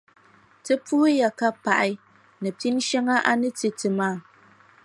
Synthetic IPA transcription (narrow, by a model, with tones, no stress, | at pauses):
tɨ˦pu˦hɨ˦ja˨ka˦pa˨ʔɪ˦ | nɨ˨pi˦n˦ʃɛ˦ŋa˦ʔa˦nɨ˦tɨ˨tɨ˨maː˦˨